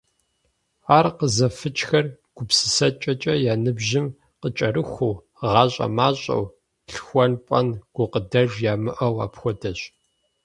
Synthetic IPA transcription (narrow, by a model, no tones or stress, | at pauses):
aːrqəzɐfɨt͡ʃxɐrɡ̥ʷʊpsɨ̥sɐt͡ʃʼɐt͡ʃʼɐjaːnɨbʒɪm | qət͡ʃʼɐɾɨxʷuː | ʁɑːɕʼɐ̰maːɕʼɐ̰w | ɬxʷɔnpʷʼɐ̰nɡ̥ʷʊqədɐʒjaːmɨʔɐwaːpxʷɔdɐɕ